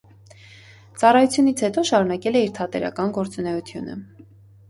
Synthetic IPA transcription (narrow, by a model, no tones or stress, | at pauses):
t͡sɑrɑjut͡sʰjunit͡sʰhɛt̪ɔʃɑɾunɑkɛlɛiɾt̪ʰɑt̪ɛ̰ɾɑ̰kɑnɡɔɾt͡sunɛut̪ʰjunə̰